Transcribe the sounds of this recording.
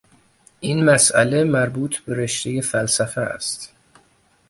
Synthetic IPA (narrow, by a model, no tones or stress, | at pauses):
ʔinmæsʔæ̰lemæɾbuːt̪ʰbe̞ɾeʃt̪ejefælsæfææ̰st̪